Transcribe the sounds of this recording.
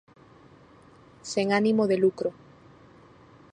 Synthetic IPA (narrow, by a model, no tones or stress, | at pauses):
seŋanimoðelukɾo